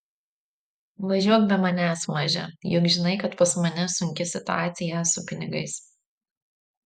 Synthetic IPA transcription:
ʋɐʒʲuɔk̚bʲɛmɐnʲæsmɐʒʲɛ̰jʊkʒʲɪnɐɪkɐt̪pɐsmɐnʲɛsʊŋʲkʲɪsʲɪt̪ʊaːt̪sʲɪjɛsʊpʲɪnʲɪɡɐɪs

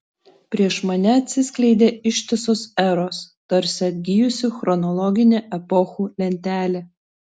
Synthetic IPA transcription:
pʲɾʲiɛʃmɐnʲɛɐt̪ʲsʲɪsʲklʲɛɪd̪ʲeːɪʃʲt̪ʲɪsoːsɛɾoːst̪ɐɾʲsʲɪɐd̪ʲɡʲɪjʊsʲɪxɾɔnɔlˠɔɡʲɪnʲeːʔɛpɔxuːlʲɛnʲt̪ʲæːlʲeː

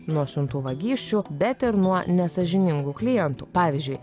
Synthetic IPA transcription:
nuɔsʲʊnt̪uːʋɐɡʲiːʃʲt͡ʃʲubʲɛt̪ɪɾnuɔnʲɛsɐʒʲɪnʲɪŋɡuːklʲɪjɛnt̪uːpɑːʋʲɪːzʲd͡ʒʲʊɪ

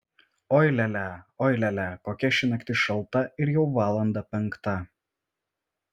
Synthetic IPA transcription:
ɔɪlʲɛlʲæˑɔɪlʲɛlʲækoːkʲɛʃʲɪnɐkʲt̪ʲɪʃɐlˠˑt̪ɐɪɾjɛʊʋɑːlˠɐnd̪ɐpʲɛŋˑkt̪ɐ

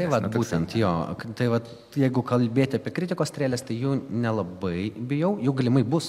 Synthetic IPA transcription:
t̪ɐɪʋɐt̪buːt̪ʲɛnt̪joːt̪ɐɪʋɐt̪ | jɛɪɡʊkɐlʲbʲeːt̪ʲɪɐːpʲiɛkɾʲɪt̪ʲɪkoːst̪ʲɾʲæːlʲeːst̪ɐɪjuːnʲɛlˠɐbɐɪbʲɪjɛʊjɛʊɡɐlʲɪmɐɪbʊs

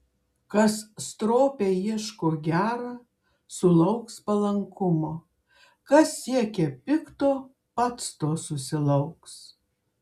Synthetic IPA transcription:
kɐsst̪ɾoːpʲeːjiɛʃkoːɡʲæːɾɐ | sʊlˠɐʊkspɐlˠɐŋkʊmoː | kɐsːʲiɛkʲɛpʲɪkt̪oː | pɐt̪st̪oːsʊsʲɪlˠɐʊks

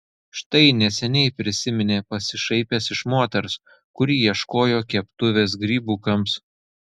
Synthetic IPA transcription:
ʃt̪ɐɪnʲɛsʲɛnʲɛɪpʲɾʲɪsʲɪmʲɪnʲeːpɐsʲɪʃɐɪpʲɛsɪʃmoːt̪ʲɛɾs | kʊɾʲiːjiɛʃkoːjoːkʲɛpt̪ʊʋʲeːs̬ɡɾʲiːbuːkɐms

